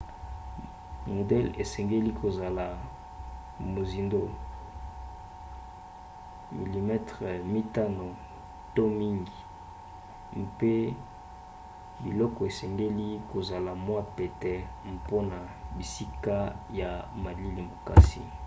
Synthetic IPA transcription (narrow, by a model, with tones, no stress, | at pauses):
mo˨dɛ˦lḛ˨sɛ˨ŋɡe˦li˦ko˨za˨la˨ | mo˨zi˨ndo˦ | mi˨li˨mɛ˦tʁe˨mi˦ta˦no˨ | to˦mi˦ŋɡi˨ | mpe˦ | bḭ˨lɔ˦kɔ˨e˨sɛ˨ŋɡe˦li˦ko˨za˨la˨mwa˦pe˨tɛ˨m̩po˦na˨bi˨si˦ka˦ja˨ma˨li˦li˨mo˨ka̰˨sḭ˦